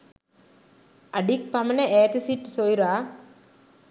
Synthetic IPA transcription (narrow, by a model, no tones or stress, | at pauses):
ɐɖik̚pɐmɐnɐeːt̪isiʈːsojɾaː